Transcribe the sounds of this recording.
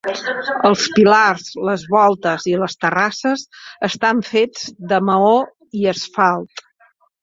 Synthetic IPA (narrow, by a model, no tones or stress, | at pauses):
əlˠspilarzləzβɔlˠt̪əziləst̪ərasəzəst̪aɱfed͡zd̪əməo | iəsfalˠt̪